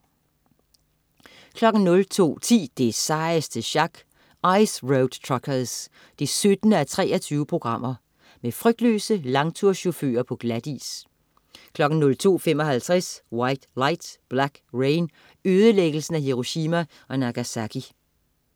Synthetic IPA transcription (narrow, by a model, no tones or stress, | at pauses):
kʰlɒ̽ɡ̥n̩nɔ̽lt͡sʰo̝̰ːt͡sʰḭːd̥e̝sɑ̈əsd̥əɕɑ̈ɡ̥ | ɑ̈ɪsʁoʊd̥t͡sʰʁɑkʰəðˠs | d̥esød̥nəæt͡sʰʁɛ̰ːɒt͡sʰyːʊəpʰʁo̝ɡ̥ʁɑ̈m̰ʔɐ | mefʁœɡ̥̚d̥lø̰ːsəlɑ̈ŋt͡sʰuɐ̰ɕo̝fø̰ːɐpʰɒ̽ɡ̥læd̥ḭːs | kʰlɒ̽ɡ̥n̩nːɔ̽lt͡sʰo̝̰ːfem̰ɒ̽hælt͡sʰʁɛswɑ̈ɪ̰d̥lɑ̈ɪ̰d̥b̥læɡ̥ʁeɪn | øːð̞ˠəleɡ̥əl̩sn̩æɦiʁo̝ɕiːmæ | ʔɒ̽næɡ̥æsækʰi